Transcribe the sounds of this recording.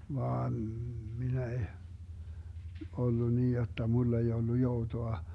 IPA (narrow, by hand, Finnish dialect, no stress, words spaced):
ʋɑːn minæ eh olːu niː jotːɑ mulː ei olːu joutoɑ